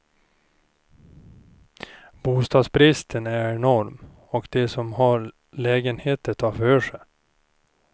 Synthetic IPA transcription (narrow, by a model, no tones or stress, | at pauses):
buːst̪ɑːd̪sbɾɪst̪ʰənæɾɛnɔɾm | ɔkd̪ɛsɔmɦɑɾ | lɛːɡənheːt̪ət̪ʰɑːføːʂɛ